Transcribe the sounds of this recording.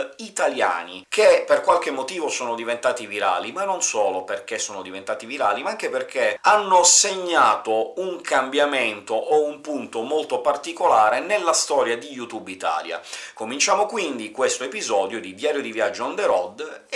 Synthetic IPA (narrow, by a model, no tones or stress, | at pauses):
it̪alja̰ːnik̟epːerkwalkemːot̪iːvosɔːnod̪ivent̪aːt̪iviɾa̰ːlimanːonsɔːloperk̟esːɔːnod̪ivent̪aːt̪iviɾaːlimaaŋk̟eperk̟ʰeanːoseɲːaːt̪ouŋkʰambjament̪oʔoumpunt̪omolt̪opart̪ikolaːɾenelːast̪ɔːɾjad̪ijut̪ubit̪a̰ːlja̰komint͡ʃaːmokwind̪ikwest̪oepizɔːd̪jod̪id̪jaːɾjod̪ivjad͡ʒːoond̪eɾɔd̪